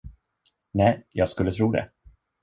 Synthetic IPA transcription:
nɛːjɑːɡskɵlːət̪ʰɾuːd̪ɛ̰

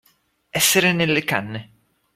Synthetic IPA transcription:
ɛsːeɾenelːeka̰nːe

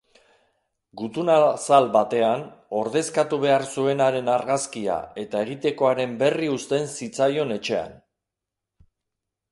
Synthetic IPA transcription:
ɡut̪unasalbat̪e̞ano̞ɾðe̞skat̪uβ̞e̞aɾsue̞naɾe̞naɾɣaskia̰e̞t̪ae̞ɣ̞it̪e̞ko̞aɾe̞mbe̞riust̪e̞nsit͡sajo̞ne̞t͡ʃe̞a̰n

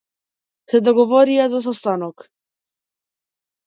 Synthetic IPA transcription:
sɛd̪ɔɡɔvɔɾiazas̬ɔst̪anɔk

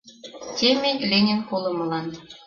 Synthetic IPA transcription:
t̪ʲemenʲlʲenʲenkolɤ̆mɤ̆lɑn

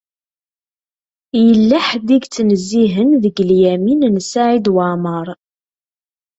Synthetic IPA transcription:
jəlːaħd̪iɡt͡sːnəzːiɦənðəɡljæminnsaʕid̪wəməɾˤ

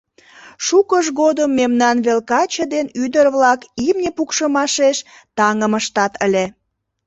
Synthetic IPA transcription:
ʃukəʒɣod̪əmːemnɑnβelkɑt͡ɕəd̪enyd̪ərβlɑkimnʲepukʃəmɑʃeʃ | t̪ɑŋəməʃt̪ɑt̪əlʲe

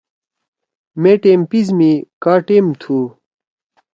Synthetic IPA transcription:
meʈeːmpizmikaːʈeːmt̪ʰu

